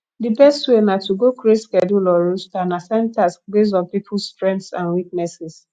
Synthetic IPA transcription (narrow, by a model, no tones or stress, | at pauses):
dibɛstwenatuɡokɹeskɛdulɔɹustanasɛ̃ntasbes̬dɔ̃npipʰulstɹɛ̃ntsã̰nwik̚nɛsɛs